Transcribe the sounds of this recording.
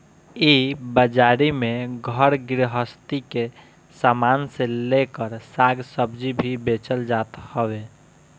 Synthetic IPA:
ibəd͡ʒaːɾimẽɡʱəɾɡɪɾɦəst̪ike | saːmaːnselekəɾsaɡsəbd͡ʒibʱibeːt͡ʃəld͡ʒaːt̪həwe

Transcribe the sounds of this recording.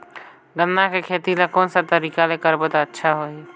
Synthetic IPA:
ɡə̃nːakekʰeːt̪ilakoːnsat̪əɾiːkalekəɾbət̪aətːʃʰaɦoi

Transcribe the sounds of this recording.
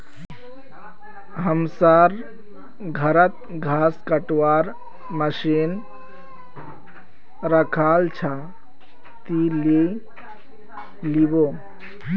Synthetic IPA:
ɦəmsaɾ | ɡʱəɾət̪̚ | ɡʱaːskəʈwaɾ | məʃin | ɾəkʰalt͡ʃʰa | t̪ile | libo

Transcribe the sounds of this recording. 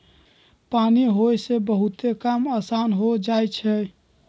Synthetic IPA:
paniɦojsebəɦut̪ekamasanɦod͡ʒajt͡ʃʰɛ

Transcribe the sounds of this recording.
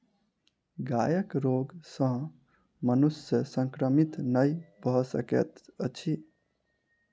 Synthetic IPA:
ɡajəkɾoɡsə̃ɦ | mənusjəsəŋkɾəmit̪nəjbʱɔsə̰kḛt̪ət͡ʃʰi

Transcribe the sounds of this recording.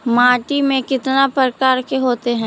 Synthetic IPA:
maːʈimẽkɪt̪napɾəkaːɾkeɦoːt̪eɦɛ̃ː

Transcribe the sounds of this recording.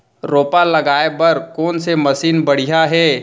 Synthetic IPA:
ɾoːpalɐɡaːebɐɾkoːnsemɐsiːnbɐɽ̤ijaɦɛː

